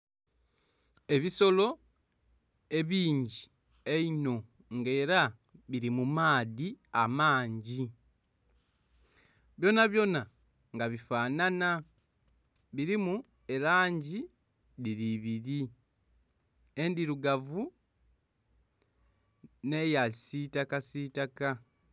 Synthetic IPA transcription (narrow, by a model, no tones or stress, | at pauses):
e̞βiso̞lo̞ | e̞βiːɲɟi | eino̞ | ŋɡe̞ːɾa | βiɾimumaːðiamaːɲɟi | βjo̞naβjo̞na | ŋɡaβifaːnana | βiɾimu | e̞ɾaːɲɟi | ðiɾiβiɾi | endiɾuɡavu | ne̞jasitakasitaka